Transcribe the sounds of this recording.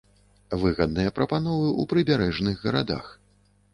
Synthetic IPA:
vɨɣɐd̪̚nɨjɐpɾɐpanɔvɨʔupɾɨbʲaɾɛʐnɨɣːɐɾad̪a̰x

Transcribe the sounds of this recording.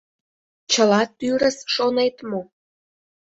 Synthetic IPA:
t͡ɕəlɑt̪yɾəsʃonet̪mo

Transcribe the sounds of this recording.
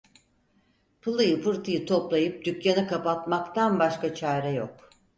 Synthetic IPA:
pʰɯlˠɯjɯfɯɾt̪ʰɯjɯt̪ʰo̞plˠajɯp̚d̪̥ycjanakapat̪makt̪ʰanbaʃkat͡ʃʰaːɾɛjok̚

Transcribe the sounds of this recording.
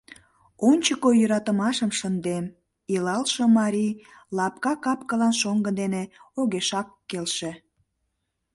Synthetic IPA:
onʲt͡ɕəkojəɾɑt̪əmɑʃəmʃənd̪em | ilɑlʃə̆mɑɾʲilɑp̚kɑkɑpkəlɑnʃoŋɡəd̪eneoɣeʃɑkːelʃe

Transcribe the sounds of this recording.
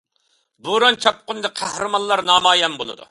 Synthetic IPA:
buɾɑnt͡ʃʰɑp̚qʊnɨd̪ɨqʰæhɾɨmɑnlːˠɑɾnɑːmɑːjɛmbolˠɨ̰d̪ṵ

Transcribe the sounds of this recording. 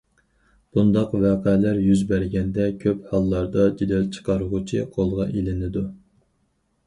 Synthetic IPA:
b̥und̪ɑqvɑːqʰɛlæɾjyzbæɾɡʲɛnd̪ɛkʲʰøphɑlˠːɑɾd̪ɑd͡ʒed̪ɛlt͡ʃʰə̥qʰɑɾʊʁʊt͡ʃʰiqʰolˠʁɑʔelɪnɪd̪u

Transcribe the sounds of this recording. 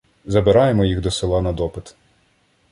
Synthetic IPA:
zɐbɪɾɑjemɔjiɣd̪ɔsɪlˠɑnɐd̪ɔpɪt̪

